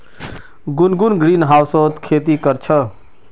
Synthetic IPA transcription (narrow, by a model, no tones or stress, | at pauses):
ɡunɡunɡɾiːnɦaːwsot̪kʰeːt̪ikəɾt͡ʃʰə